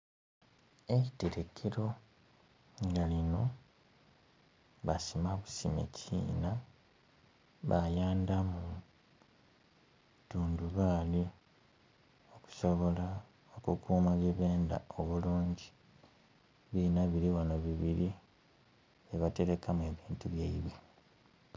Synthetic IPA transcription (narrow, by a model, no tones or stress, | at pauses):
e̞ci̥te̞ɾe̞kʰeɾo̞ | ŋɡalino̞ | βasimaβusimḛcʰḭːna | βajaːndamu | tuːnduβali | o̞ku̥so̞βo̞la | okukʰuːmaβjeβeːnda̰o̞βuluːɲɟi̥ | βinaβiɾiwanoβiβiɾi | βeβate̞ɾe̞kamue̞βiːntuβjeiβi